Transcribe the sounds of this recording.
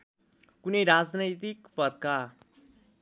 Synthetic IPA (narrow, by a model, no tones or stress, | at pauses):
kunʌjɾad͡znʌjt̪ikpʌd̪̚ka